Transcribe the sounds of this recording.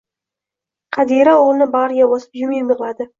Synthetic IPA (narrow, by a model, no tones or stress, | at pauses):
qʰɑd̪iɾaoʁlˠɪnɪbaɾjabɒsɪ̥pjʊmɪbɨʁlˠad̪ɪ